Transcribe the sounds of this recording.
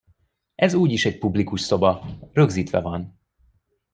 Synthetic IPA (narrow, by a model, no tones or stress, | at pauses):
ʔɛzuːɟiʃɛc̚publikuʃso̞bɒrø̞ɡziːt̪ʋɛ̰vɒn